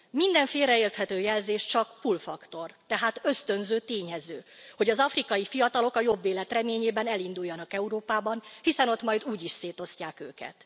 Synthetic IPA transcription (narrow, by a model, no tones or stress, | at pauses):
mind̪ɛɱfeːɾɛeːrt̪hɛt̪øːjɛlzeːʃt͡ʃɒkpulfɒkt̪o̞rt̪ɛɦaːt̪ø̞st̪ø̞nzøːt̪eːɲɛzøːho̞ɟɒzɒfrikɒjifijɒt̪ɒlo̞kɒjo̞bːeːlɛt̪rɛmeːɲeːbɛnɛlind̪ujːɒnɒkɛuɾoːpaːbɒnhisɛno̞t̪mɒjd̪uːɟiʃseːt̪o̞scaːkø̰ːkɛ̰t̪